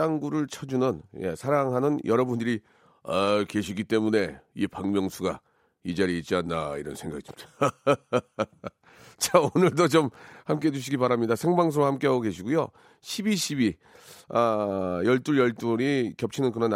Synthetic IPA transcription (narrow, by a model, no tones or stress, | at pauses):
aŋɡuɾɯɭt͡ɕʰʌd͡ʑunɯnje̞̰sʰaɾaŋɦanɯnjʌɾʌbundɯɾi | ake̞ɕʰiɡit͈e̞mune̞ipaŋmjʌŋsʰuɡa̰ | id͡ʑaɾiit̚t͡ɕ͈ianːa̰iɾʌnsʰe̞ŋɡa̰ɡi̥a | t͡ɕaonɯɭdot͡ɕomhamk͈e̞ɦed͡ʑuɕ̬ʰiɡipaɾamɲidasʰe̞ŋbaŋs̬ʰoɾahamk͈e̞ɦaɡoɡe̞ɕʰiɡujo̰ | ɕʰibiɕʰibi | ʌjʌɭt͈uɭjʌɭt͈uɾikjʌp̚t͡ɕʰinɯnkɯɾʌn